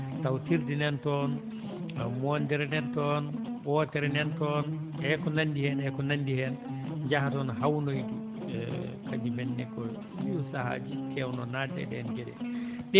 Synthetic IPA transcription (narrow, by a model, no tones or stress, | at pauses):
tawtiɾdinɛntɔn | mɔndɛɾɛnɛntɔnwɔtɛɾɛnɛntɔn | ɛkɔnandihɛnɛkɔnandihɛnd͡ʒahatɔnhawnojdu | kʰad͡ʒimɛnːɛkɔ | siusaha̰d͡ʒikʰɛwnɔnadɛ̰ɗɛnɡɛɗɛ̰ɗɛ